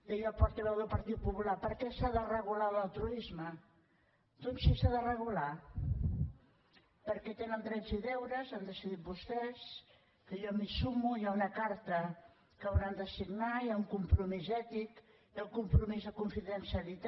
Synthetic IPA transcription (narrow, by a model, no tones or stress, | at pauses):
jəʎɔpɔɾt̪əβɛwðəlˠpɐɾt̪it̪̚pupulapəɾkɛsaðərəɣulalalˠt̪ɾuizmə | d̪onsisaðərəɣula | pəɾkɛt̪enənt̪ɾɛnziðɛwɾəzand̪əsiðit̪̚bust̪ɛs | kəjɔmisumujaunəkaɾt̪ə | kəwɾand̪əsiɡnajauŋkumpɾumizɛt̪ik | jalkumpɾumizðəkuɱfiðənsiəlit̪